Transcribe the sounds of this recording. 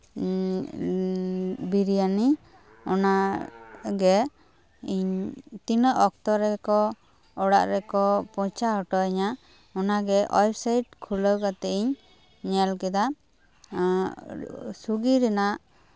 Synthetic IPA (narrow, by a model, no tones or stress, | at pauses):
biɾijani | ɔna | ɡɛ | iɲt̪inəʔɔk̚t̪ɔɾɛkɔ | ɔɽa̰ʔɾɛkɔpɔ̃t͡ʃaɦɔʈɔɛɲa | ɔnaɡɛʔɔjpsajʈ̚kʰuləwkat̪ɛiɲ | ɲɛlkɛd̪a | suɡiɾɛnaʔ